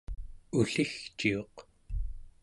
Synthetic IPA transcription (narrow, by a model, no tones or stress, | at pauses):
uɬixt͡ʃio̞q